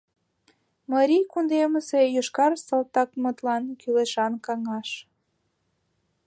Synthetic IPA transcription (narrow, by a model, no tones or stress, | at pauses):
mɑɾʲijkund̪eməsejøʃkɑrsəlt̪ɑkmət̪lɑnkyleʃɑnkɑŋɑʃ